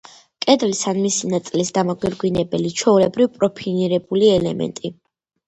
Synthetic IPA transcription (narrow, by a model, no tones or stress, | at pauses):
kʼɛd̪vlisanmisinat̪sʼlisd̪amɔɡɛɾɡwinɛbɛlit͡ʃʰɛulɛbɾivpʼɾɔpʰiniɾɛbuliɛlɛ̰mɛ̰nt̪ʼi